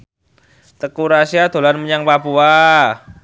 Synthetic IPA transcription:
t̪əkuɾasiad̪̥o̤lanməɲaŋpapua

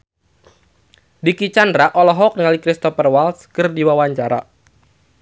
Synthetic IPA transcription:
dikit͡ʃandɾaʔɔlɔɦɔk̚niŋalikɾist̪ɔfərwalskɨrdiwawaɲt͡ʃaɾa

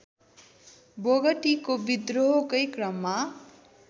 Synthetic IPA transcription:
boɡʌʈikobid̪roɦokʌjkrʌmːa

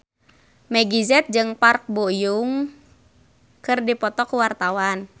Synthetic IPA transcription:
mɛɡizɛt̪̚d͡ʒɨŋpark̚bojuŋ | kɨrdipɔt̪ɔkuwart̪awan

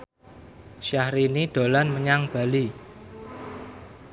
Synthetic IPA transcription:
ʃahɾiniɖ̥o̤lanməɲaŋb̥a̤li

